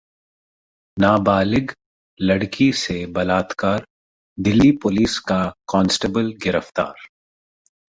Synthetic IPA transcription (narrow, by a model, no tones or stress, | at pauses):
naːbaːlɪɡ | lɐɽkʰisebɐlaːt̪kaːɾ | d̪ɪlːipʊliːskakɔ̃ːnsʈebəlɡɪɾəft̪a̰ːɾ